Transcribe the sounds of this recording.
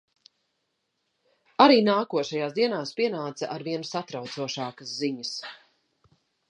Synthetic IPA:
aɾiːnaːkuɔʃajaːsd̪iɛnaːspiɛnaːt̪sɐ̰ʔaɾviɛnusat̪ɾawt̪suɔʃaːkɐsziɲəs

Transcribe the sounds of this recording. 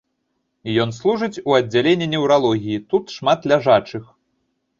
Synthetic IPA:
jɔnslˠuʐɨt͡sʲuɐdd͡zʲːalʲenʲːinʲɛwɾalˠɔɣʲijit̪ut̪ʂmat̪lʲaʐat͡ʂɨx

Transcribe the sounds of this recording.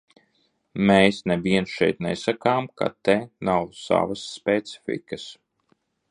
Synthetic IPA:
meːsneviɛnsʃɛ̰jt̪nɛsakaːmka̰t̪ɛnawsa̰vasːpʲɛt̪si̥fʲḭkəs

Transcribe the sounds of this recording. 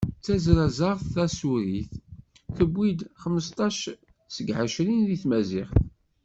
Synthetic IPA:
t͡sːæzɾæzɑʁˤθæsuɾiθ | θəbːid̪χəmːəst̪ˤɑʃ | səɡʕəʃɾinðiθmæzɪχθ

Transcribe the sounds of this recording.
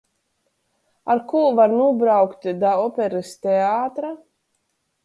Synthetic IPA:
aɾkuːvaɾnuɔbɾawkt̪d̪aɔpʲɛɾɨst̪ʲeaːt̪ɾa

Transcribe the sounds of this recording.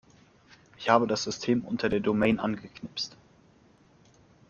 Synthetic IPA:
ʔɪçhaːbədasz̥ʏstʰeːmʔʊ̰ntʰɐdeːɐdomɛɪnʔa̰nɡəkʰnɪpst

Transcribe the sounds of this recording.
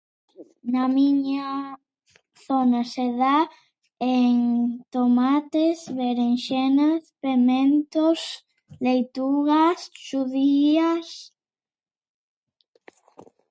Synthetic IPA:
namiɲa | θonaseða | eŋt̪omat̪esβeɾenʃenaspemẽnt̪os | lejt̪uɣasʃuðias

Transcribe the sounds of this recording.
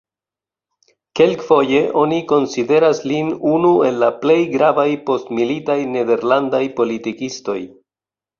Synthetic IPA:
ke̞lkfo̞je̞ʔo̞niko̞nside̞ɾaslinunue̞lːaple̞jɡɾavajpo̞stmilitajne̞de̞ɾlandajpo̞litikisto̞j

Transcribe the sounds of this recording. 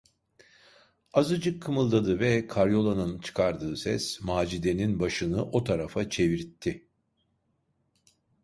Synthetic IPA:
azɯd͡ʒɯkʰːɯmɯlˠd̪ad̪ɯvɛkʰaɾjo̞lˠanɯnt͡ʃʰɯ̥kʰaɾd̪ɯːsɛsmaːd͡ʒid̪e̞ninbaʃɯnɯʔo̞t̪ʰaɾafat͡ʃʰe̞viɾt̪ʰːɪ

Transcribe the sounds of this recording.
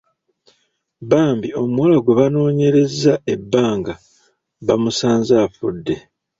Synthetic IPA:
βaːmbio̞muwalaɡwe̞βano̞ːɲe̞ɾe̞zːae̞bːaːŋɡa | βamusaːnzaːfudːe̞

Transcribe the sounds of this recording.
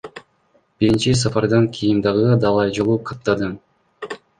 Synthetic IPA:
b̥iɾint͡ʃisɑfɑɾd̪ɑŋkʲʰijimd̪ɑʁɯd̪ɑlˠɑjd͡ʒolˠuqʰɑt̪ːɑd̪ɯm

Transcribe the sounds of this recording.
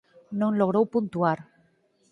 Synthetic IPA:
nõŋloɣ̞ɾowpunt̪uaɾ

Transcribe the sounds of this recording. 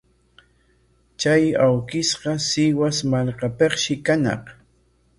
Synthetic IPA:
t͡ʃajawkɪsɢɑsɪwasmalqɑpeχʃɪkanɑ̰q

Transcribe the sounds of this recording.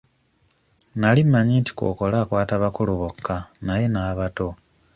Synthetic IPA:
nalimːaɲiːnti̥ko̰ko̞laːkwaːtaβakuluβokʰːanaje̞naːβato̞

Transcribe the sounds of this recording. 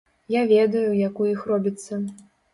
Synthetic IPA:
javʲɛd̪ɐjujakujixrɔbʲit̪sːɐ

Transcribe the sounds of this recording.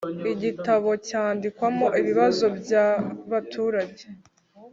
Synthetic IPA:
iɟitaβo̞caːndikwamo̞ʔiβiβazo̞bjaβatʰuːɾaɟe

